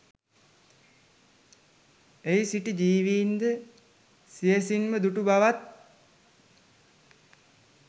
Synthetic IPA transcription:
ejsiʈid͡ʒiːʋiːnd̪ə | sijəsinməd̪uʈubaʋat̪̚

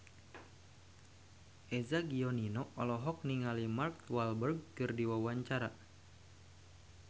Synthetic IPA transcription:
ʔezaɡiɔninɔɔlɔɦɔk̚niŋalimarkt̪walbərɡ̚kɨrdiwawaɲt͡ʃaɾa

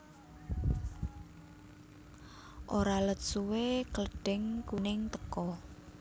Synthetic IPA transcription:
ʔoɾalət̪suwekələɖ̥ɪŋkunɪŋt̪əkɔ

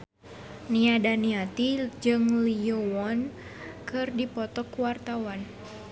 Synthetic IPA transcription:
niadaniat̪id͡ʒɨŋlijowɔnkɨrdipɔt̪ɔkuwart̪awan

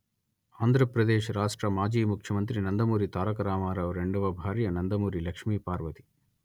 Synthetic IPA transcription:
aːnd̪ʱɾɐpɾɐd̪eːʃɾaːʂʈɾɐmaːd͡ʒiːmukʰjɐmɐnt̪ɾinɐnd̪ɐmuːɾit̪aːɾɐkɐɾaːmaːɾɐʋɾeɳɖuʋɐbʱaːɾjɐnɐnd̪ɐmuːɾilɐkʂmiːpaːɾʋɐt̪i̥

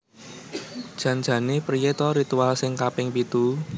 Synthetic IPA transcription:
d̥ʒ̥ä̤n̥ʒ̥ä̤nepɾijet̪ɔɾit̪ualsɪŋkapɪŋpit̪u

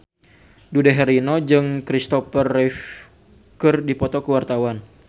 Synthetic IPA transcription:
dudɛɦɛɾinod͡ʒɨŋkɾist̪ɔpərɛf | kɨrdipɔt̪ɔkəwart̪awan

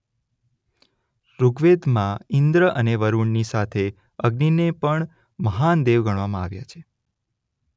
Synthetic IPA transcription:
ɾuɡʋed̪mãɪnd̪ɾəʔəneʋəɾuɳnisat̪ʰe | əɡninepəɳ | məɦand̪eʋɡəɳ̃ʋamãa̰ʋja̰t͡ʃʰe̥

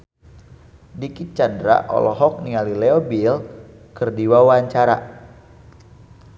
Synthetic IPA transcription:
dikit̪̚t͡ʃandɾa̰ʔɔ̰lɔɦɔk̚nialileɔbil | kərdiwawaɲt͡ʃaɾa̰

